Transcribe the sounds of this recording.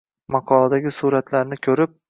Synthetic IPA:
mɑqʰɒlˠad̪aɡʲɪsuɾat̪ʰlaɾnɪkʲʰɵɾɪp̚

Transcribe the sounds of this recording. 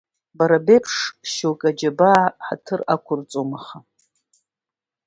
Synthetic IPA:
baɾabepʰʂʃowkʼad͡ʒabaʕħa̰tʰɨrakʷʰʊrt͡sʼomaχa

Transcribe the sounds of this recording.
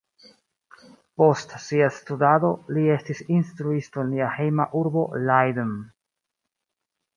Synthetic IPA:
po̞stsiastudado̞lie̞stisinstɾuistonliahejmaʔuɾbo̞lajdən

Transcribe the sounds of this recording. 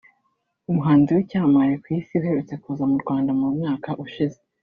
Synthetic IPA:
umuɦaːnziwicaːmaɾekwisiuheɾet͡se̞kuːzamuɾɡwaːndamumŋaːkaʔuʃize

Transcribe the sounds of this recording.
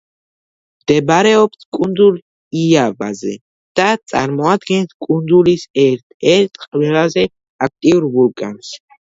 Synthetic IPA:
md̪̥ɛbɾɛɔpsʰkʼund̪zul | ijaba̰zɛ̰ | d̪̥at̪sʼa̰ɾmɔad̪ɡɛnt̪ʰkʼund̪zulisɛ | ɛɾt̪ʰqʼlɛlazɛ | ak̚ʰt̪ʼiuɾvulkʼans

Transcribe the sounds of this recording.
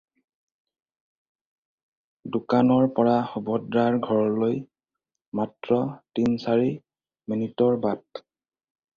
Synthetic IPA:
dukanɔɹpɔɹaxubɔdɹaɹɡʱɔɹɔloj | matɹɔtinsaɹi | minitɔɹbat

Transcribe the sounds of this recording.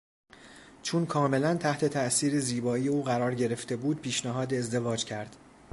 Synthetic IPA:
t͡ʃʰunkʰɒːme̞lænt̪ʰæht̪ʰe̞t̪ʰæʔsiːɾeziːbɒːijeuːɣæɾɒːɾɟe̞ɾe̞ft̪e̞buːd̪̚pʰiːʃnæɦɒːd̪eːzd̪e̞vɒːd͡ʒcʰæɾd̪̥

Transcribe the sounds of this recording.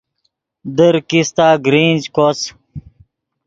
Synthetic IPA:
d̪əɾkist̪aːɡɾiːnd͡ʑkos

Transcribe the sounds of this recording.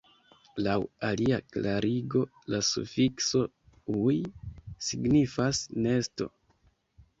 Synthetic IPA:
lawaliaklaɾiɡo̞ | lasṵfikso̞ | ujsiɡnifasne̞sto̞̰

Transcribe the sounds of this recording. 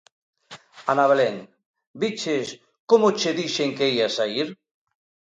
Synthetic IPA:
anaβeleŋ | bit͡ʃes | komot͡ʃeðiʃeŋkeiasaiɾ

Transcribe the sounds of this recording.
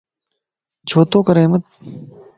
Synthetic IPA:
d͡ʒʱoːt̪õːkɐɾɐɦmət̪̚

